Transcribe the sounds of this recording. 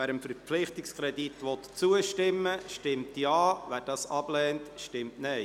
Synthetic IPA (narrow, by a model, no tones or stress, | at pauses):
æːɾəmfəɾp͡flɪχtɪkskʰɾɛdit̪ʋɔt̪t͡suəʃtɪmːəʃtɪmtjɑːʋæːɾd̥ɑːsɑb̥lɛːntʃtɪmtnɛɪ